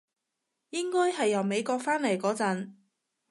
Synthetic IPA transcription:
jɪ˥ŋkɔː˥jhɐ˨jːɐ˨wme˨˧jkɔː˧k̚faː˥nle˨˩jkɔː˨˥t͡sɐ˨˥n

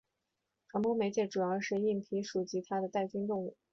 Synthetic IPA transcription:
ʈ͡ʂʰŋpo˥me˧˥ɪt͡ɕjɛ˥˩ʈ͡ʂu˨˩jɑ˥˧ʊʂɻ̩˥˧i˥˩npʰi˧˥ʂu˨˩t͡ɕi˧˥t̪ʰa˥d̪ə˨t̪a˥˩ɪt͡ɕy˥nt̪ʊ˥˧ŋu˥˩

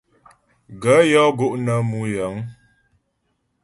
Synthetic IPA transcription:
ɡə˨˦jɔ˦ɡo˦ʔnə˨˦mu˦jə˨˦ŋ

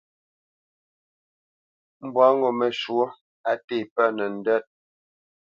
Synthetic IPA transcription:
m̩˨bwa˦ŋɡɔ˨mɛ˨ʃwo˦ | a˨te˦˨pa˦nɛ˨n̩˨dɛ˦t̚

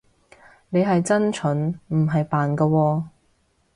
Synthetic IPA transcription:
ne˨jɦɐ˨jt͡sɐ˥nt͡ʃʰɵ˨˥nm̩˨˩ɦɐ˨jpaː˨nkɐː˧wɔː˧

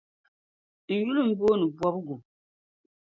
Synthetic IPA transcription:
n̩˨ju˦lu˦˨m̩˨bo˦nɨ˨bwa˦bɡu˨

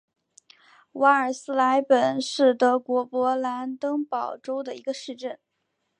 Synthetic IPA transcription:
wa˧˥ə˞˨˩sɹ̩˥la˧˥ɪpə˨˩nʂɻ̩˥˩t̪ɤ˧˥kwɔ˧˥pwɔ˧˥la˧˥nt̪ɤ˥ŋpɑ˨˩ʊʈ͡ʂo˥ʊd̪ə˨i˧˥ɡə˧ʂɻ̩˥˧ʈ͡ʂə˥˩n

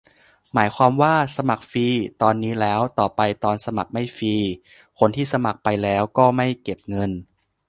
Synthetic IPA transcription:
maː˩˦jkʰwaː˧mwaː˥˩sa˧ma˨˩k̚fiː˧t̪ɔː˧nːiː˦˥lɛː˦˥wt̪ɔː˨˩pa˧jt̪ɔː˧nsa˧ma˨˩k̚ma˥˩jfiː˧ | kʰo˧nt̪ʰiː˥˩sa˧ma˨˩k̚pa˧jlɛː˦˥wkɔː˥˩ma˥˩jke˨˩p̚ŋɤ˧n

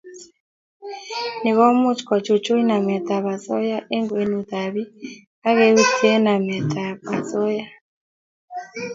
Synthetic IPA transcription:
nɪ˨ɣɔ˦mʊ˦t͡ʃkɔ˨t͡ʃo˨t͡ʃo˦i˦na˨mɛ˨t̪a˨βa˨zɔ˦ja˦ʔe˦ŋɡwe˨nu˨ða˨βi˦ | a˦ɣɛ˦u˦ti˦e˦na˨mɛ˨t̪ʰa˨βa˨zɔ˦ja˦

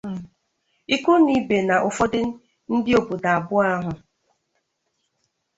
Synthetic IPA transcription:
i˦ku˦ni˦be˨na˨ʔʊ˨fɔ˦dɪ˦ | n̩˦dɪ˦o˨bu˨da˨a˨bʊ˦a˦ɦʊ˨

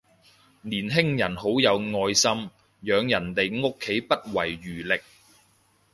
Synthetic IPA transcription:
niː˨˩nɦɪ˥ŋjɐ˨˩nho˨˥wjɐ˨˧wŋɔː˧jsɐ˥m | jœː˨˧ŋjɐ˨˩nt̪e˨jŋo˥kʰːe˨˥jpɐ˥t̚wɐ˨˩jɥyː˨˩lɪ˨k̚

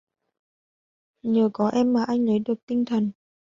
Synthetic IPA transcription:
ɲəː˨˩kɔ˨˦ʔɛ˧mːaː˨˩ʔa˧jŋ̟lə˨˦jɗɨ˨˩ək̚t̪ï˧ŋ̟t̪ʰə˨˩n

